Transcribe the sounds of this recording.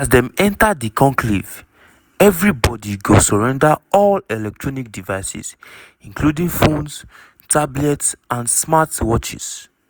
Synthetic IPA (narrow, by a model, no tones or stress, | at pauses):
asdɛ̃mɛ̃ntadikɔ̃ŋkʰlḭv | ɛvɹibɔdiɡosɔɹɛ̃ndaɔlɛlɛk̚tʰɹɔnik̚divaɪsḭs | ĩŋkludĩŋfõns | tʰablɛtsãnsmatwɔt͡ʃḭs